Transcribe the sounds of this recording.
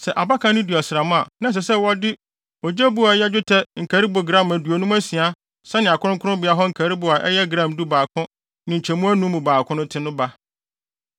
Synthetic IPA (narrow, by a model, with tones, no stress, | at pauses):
sɛ˨ʔa˨ba˦kʰã˨˦nɪ̃˦di˨a˨sɾa˨mʊ̃˦a˨nã˦s̬ɛ˨sɛ˦wɔ˦dɪ˦ | ɔ˨d͡ʑɛ˦bu˦a˨˦jɛ˦d͡ʑᶣʊ˦tʰɛ˦ŋ̩˨kʰæ˨ɾi˦bo˨ɡɾã˦˨mæ˨du˨o˨nũ˦mæ˦si˨a˦ | sɛ˦nɪ̃˨a˨kʰʊ̃˦ʊ̃˦ŋkʰʊ˦ʊ̃˦bɪ˨˦a˦ɦɔ˦ŋ̩˨kʰæ˨ɾi˦bʊ˨a˨ʔɛ˦jɛ˦ɡɾã˦˨mdu˦baː˨kʰʊ̃˦ | nɪ̃˨ɲ̩˨t͡ɕʰɛ˨mũ˦æ˦nũ˦mũ˨baː˨kʰʊ̃˦nʊ̃˦tʰɪ̃˦nʊ̃˦ba˦